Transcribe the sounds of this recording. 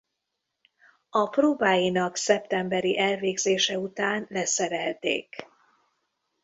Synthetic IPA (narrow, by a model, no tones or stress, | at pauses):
ɒproːbaːjinɒksɛpt̪ɛmbɛɾiʔɛlveːɡzeːʃɛut̪aːnlɛsɛɾɛlt̪ḛːk